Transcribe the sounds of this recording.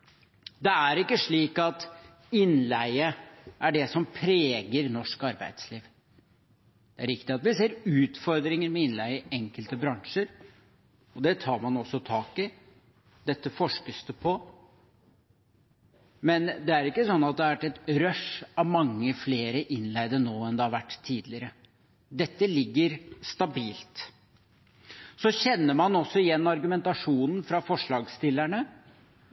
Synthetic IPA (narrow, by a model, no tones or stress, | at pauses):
d̪ɛæɾɪkːəʂɭiːkɑt̪ | ɪnlæɪəʔæɖɛsɔmpʰɾeːɡəɾnɔʂkɑɾbæ̰ɪd̪sliːʋ | d̪̥ɛæɾɪkt̪ɪɑt̪ʋɪseːɾʉːt̪fɔɾd̪ɾɪŋəɾmɛɪnlæɪəɛŋkəlt̪əbɾɑŋʂəɾ | ɔd̪ɛt̪ʰɑːɾmɑnɔsːɔt̪ʰɑːkɪ | d̪ɛt̪ːəfɔʂkəst̪əpʰɔ | mɛnd̪ɛæɾɪkːəsɔnːɑt̪̚d̪ɛæɾʋæʈːɛt̪ɾœʂɑʋmɑŋːəfleːɾəʔɪnlæɪd̪ənoːɛnd̪ɛhɑɾʋæʈːt̪ʰːiːd̪lɪəɾə | d̪ɛt̪ːəlɪɡːəɾst̪ɑbiːlt̪ | sɔçɛnːəmɑnɔsːɔɪjɛnːɑɾɡʉmɛnt̪ɑʂuːnn̩fɾɑfɔʂɭɑːɡst̪ɪlːæɳə